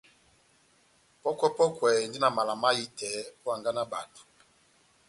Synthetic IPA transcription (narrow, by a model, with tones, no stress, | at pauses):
pɔ˦kwɛ˦pɔ˦kwɛ˨ndi˦na˨ma˨la˨ma˦ji˦tʰɛ˨˦pɔ˦a˨ŋɡa˦na˦ba˨tu̥˨